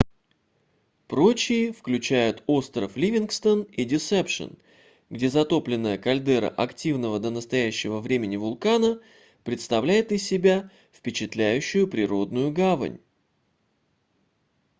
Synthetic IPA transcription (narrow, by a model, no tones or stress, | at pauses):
pɾo̞t͡ɕɪɪfklʲʉt͡ɕæjʊt̪o̞st̪ɾəflʲivʲɪnkst̪ənidʲɪsɛpʂə̰n | ɡdʲe̞zɐt̪o̞plʲɪnːəjəkɐlʲd̪ɛɾə̰ʔɐktʲivnəvəd̪ənəst̪ɐjæɕːɪvəvɾʲemʲɪnʲɪvʊlˠkanə | pɾʲɪt̪st̪ɐvlʲæjɪt̪ɪsʲːɪbʲa | fpʲɪt͡ɕɪt̪lʲæjʉɕːʊjʊpɾʲɪɾo̞d̪nʊjʊɡavə̰nʲ